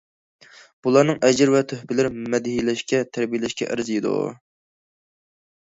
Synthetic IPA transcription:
b̥ulˠɑɾnɨŋʔɛd͡ʒɪɾvɛt̪ʰøhpɪlɪɾmɛd̪ɪɦilɛʃkʲɛt̪ʰæɾbijilɛʃkʲɛ̰ʔɪ̰ɾzɨid̪ṵ

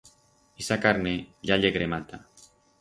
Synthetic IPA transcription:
isakaɾneʎaʎeɣɾemat̪a

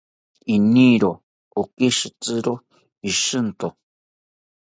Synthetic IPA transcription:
iniɾo | okiʃɨt͡sɨɾo | iʃɨnt̪o

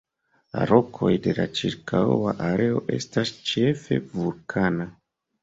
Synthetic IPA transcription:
la̰ɾo̞kʰo̞jde̞lat͡ʃiɾkʰawaʔaɾe̞o̞ʔe̞stast͡ʃe̞fe̞̰vulkʰana

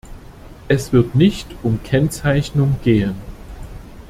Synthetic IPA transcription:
ʔɛsv̥ɪɐtnɪçtʔʊmkʰɛnt͡saɪçnʊŋɡ̥eːən

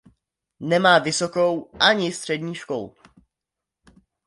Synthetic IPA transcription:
nɛmaːvɪsoko̞wʔaɲɪst̪r̝̥ɛdɲiːʃko̰l

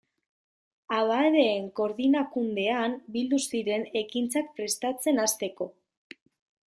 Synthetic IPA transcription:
aβaeɾe̞ːŋko̞ɾðinakund̪e̞ambild̪usiɾe̞ne̞kint͡sak̚pɾe̞st̪at͡se̞nast̪e̞ko̞

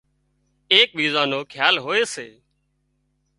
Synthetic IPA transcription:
eːk̚ʋiːzãːnoːkʰjaːlɦoːeːseː

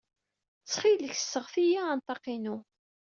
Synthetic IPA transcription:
t͡sːχiləç̥sːəʁθijaːnt̪ˤɑqinu

